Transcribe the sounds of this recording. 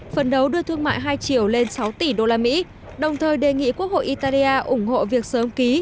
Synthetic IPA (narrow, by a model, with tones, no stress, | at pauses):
fə˨˩nɗə˨˦wɗɨ˧ət̪ʰɨ˧əŋma̰ː˧˨jɦaː˧jt͡ɕi˧˩əwle˧nsa˨˦wt̪i˧˩ɗo˧laː˧mḭ˧˥ | ɗə˨˩wŋ͡mt̪ʰəː˨˩jɗe˨˩ŋḭ˧˨ku˦˥ək̚ho̰˧˨jʔi˧t̪aː˧li˧ʔaː˧ʔʊ˧˩ŋ͡mho̰˧˨vi˨˩ək̚səː˨˦mki˨˦